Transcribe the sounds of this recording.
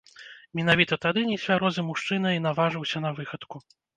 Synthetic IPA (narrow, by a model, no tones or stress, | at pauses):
mʲɛnavʲit̪ɐt̪ad̪ɨnʲɛsʲvʲaɾɔzɨmuʂt͡ʂɨnɐinavaʐɨwsʲɐnɐvɨxɐt̪ku